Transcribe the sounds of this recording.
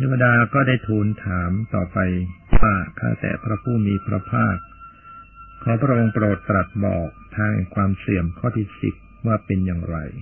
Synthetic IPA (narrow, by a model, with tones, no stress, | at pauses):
t̪ʰeː˥˩pːa˧daː˧kɔː˥˩daː˥˩jt̪ʰuː˧˩nt̪ʰaː˩˦mt̪ɔː˨˩pa˧jfaː˥˩kʰa̰˥˩wt̪ɛ̰ː˨˩pʰɾa˦˥pʰuː˥˩miː˧pʰɾa̰˧˥pʰaː˥˩p̚ | kʰːɔː˩˦˥pʰɾa˦˥ʔo˧ŋpɾoː˨˩t̪ːɾa˨˩t̪̚bɔ̰ː˨˩k̚t̪ʰaː˧ŋha̰˨˩kʰwaː˧msi˨˩əmkʰɔː˥˩t̪ʰiː˥˩sḭ˨˩p̪̚waː˥˩pe˧njaː˨˩ŋɾa̰˧j